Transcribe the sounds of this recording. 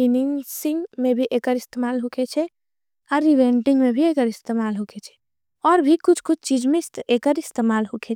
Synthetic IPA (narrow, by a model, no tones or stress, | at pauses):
iniŋsiŋɡmẽbʱiʔekəɾist̪emalɦukʰet͡ʃʰɛ | ɔɾːiʋeɳʈiŋɡmebʱiekəɾist̪emalɦukʰet͡ʃʰɛ̥ | ɔɾbʱikʊt͡ʃʰkʊt͡ʃʰt͡ʃid͡ʒmest̪ekəɾist̪emalɦukʰe